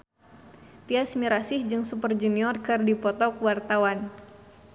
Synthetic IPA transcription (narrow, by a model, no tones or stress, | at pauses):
t̪iasmiɾasɪhd͡ʒɨŋsupərd͡ʒuniɔrkɨrdipɔt̪ɔkuwart̪awan